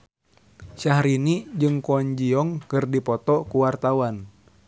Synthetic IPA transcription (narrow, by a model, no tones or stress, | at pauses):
ʃahɾinid͡ʒɨŋkɔɲd͡ʒiɔŋkɨrdipɔt̪ɔkuwart̪awan